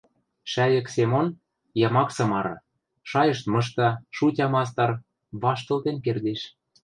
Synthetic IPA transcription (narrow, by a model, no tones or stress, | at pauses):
ʃæjə̆ksemon | jɑmɑksɤ̆mɑɾɤ̰̆ | ʃɑjɤ̆ʃt̪mɤ̆ʃ̬t̪ɑʃutʲɑmɑs̬t̪ɑr | βɑʃt̪ɤ̆lt̪enkerd̪eʃ